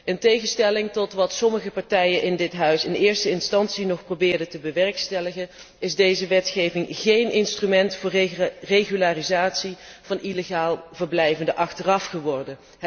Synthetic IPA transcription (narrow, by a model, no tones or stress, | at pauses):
əntejɣənstɛlɪŋtɔtʋɑtsɔməχəpɑɹtɛjənʔɪndɪtɦœɥsɪnɪːɹstəɪnstɑnsinɔχprowbɪːɹdətəbəʋɛrkstɛləɣən | ɪzdejzəʋɛtχejvɪŋχejnɪnstrymɛntfʊːɹreɣylaːrizaːtsiv̥ɑnileχaːlˠvərblɛjvəndəʔɑχtərɑfχəʋɔrdən